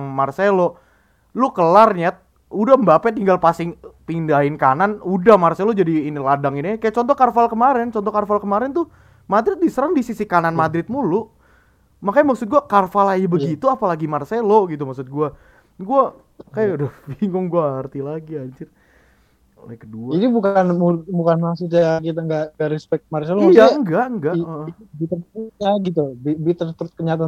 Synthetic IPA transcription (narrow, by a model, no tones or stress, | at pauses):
ŋmarselo | lukəlarɲat̪̚ | udahmbapɛt̪iŋɡalpasɪŋpindaɪnkananudahmarselod͡ʒadiːniladaŋinikajaʔt͡ʃɔnt̪ɔkarfalkəmaɾɪnt͡ʃɔnt̪ɔkarfalkəmaɾɛnt̪ʊ | mad̪ɾɪt̪̚disəɾəŋdisisikananmadɾɪt̪̚mulʊ | makajamaksʊt̪̚ɡuakarfalajabəɡit̪uapalaɡimarseloɡit̪̬umak̚sʊt̪̚ɡua | ɡua | kajaudabiŋɡʊŋɡuaɦərt̪ilaɡiaɲt͡ʃɪr | o̰lɛkəduainibukanmubukanmasud͡ʒaakit̪̬aŋɡaʔŋɡaʔɾɛspɛk̚t̪̚marselojaəŋɡaʔəŋɡaʔəʔəibit̪ərt̪ut̚ɲaɡit̪̬ubibit̪ərt̪ɾʊt̪̚kəɲat̪a